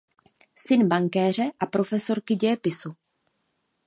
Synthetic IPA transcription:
sɪnbaŋkɛːr̝ɛʔapɾo̞fɛso̞ɾkɪɟɛɛpɪsu

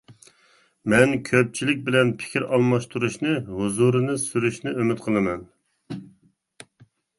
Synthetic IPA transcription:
mɛnkʲʰøp̚t͡ʃʰilɪk̚ʲbɪlɛnpʰɪ̥kʲʰiɾɑlˠmɑʃt̪ʰuɾuʃnɨɦuzuɾɨnɨsyɾyʃnɨømyt̪qʰəlˠɨmɛn

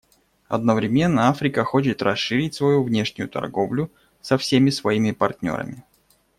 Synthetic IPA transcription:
ɐ̰d̪nəvɾʲɪmʲe̞nːəafɾʲɪkəxo̞t͡ɕɪt̪rɐsɨɾʲɪtʲsvɐjuvnʲe̞ʂnʲʊjʊt̪ɐ̰rɡo̞vlʲʊ | sɐfsʲemʲɪsvɐimʲɪpɐrtʲnʲo̞̰ɾə̰mʲɪ

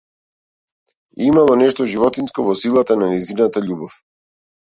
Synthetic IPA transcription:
imalˠɔnɛʃt̪ɔʒivɔt̪inskɔvɔsilˠat̪ananɛzinat̪aʎubɔf

